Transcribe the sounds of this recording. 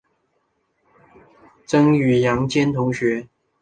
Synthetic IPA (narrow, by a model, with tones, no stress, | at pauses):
ʈ͡ʂɤ˥ŋy˨˩jɑ˧˥ŋt͡ɕjɛ˥nt̪ʰʊ˧˥ŋɕɥɛ˧˥